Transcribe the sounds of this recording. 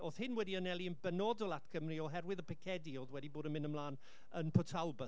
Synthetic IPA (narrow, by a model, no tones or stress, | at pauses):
oːθhɪnwɛdiənɛlˠiənbənɔdɔlˠatkʰəmriɔɦɛrwɪðəpʰɪkʰɛdioːðwɛdiboːdənmɪ̃nəmlˠaːn | ənpʰɔtʰalˠbə